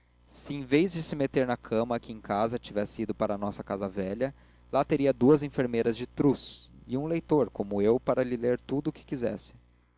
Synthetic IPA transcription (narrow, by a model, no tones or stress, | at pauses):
sɪẽj̃vejzd͡ʒɪsɪmet̪eɾnɐkʰɐ̃mɐkɪẽkʰazɐt͡ʃivɛsɪid̪ʊpaɾɐnɔsɐkazɐvɛʎɐ | lat̪eɾiɐd̪uɐzẽfeɾmejɾɐzd͡ʒɪt̪ɾusɪũlejt̪oɾkõmʊewpaɾɐlɪleɾt̪ud̪ʊːkɪ̥kizɛ̰sɪ̥